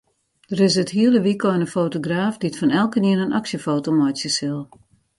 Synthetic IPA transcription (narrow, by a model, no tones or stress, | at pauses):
d̥əɾɪsəthiəlˠəʋikɔjnəfoːtoɡraːfditfɔnɛlˠkəniənənʔaksjəfoːtomɔjsjəsɪlˠ